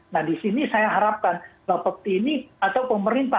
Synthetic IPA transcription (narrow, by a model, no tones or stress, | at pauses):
nahdisinisajaɦaɾap̚kanbapək̚t̪iːniat̪awpəməɾint̪a